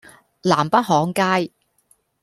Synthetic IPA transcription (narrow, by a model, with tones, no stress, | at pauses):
laː˨˩mpɐ˥t̚hɔː˨˥ŋkaː˥j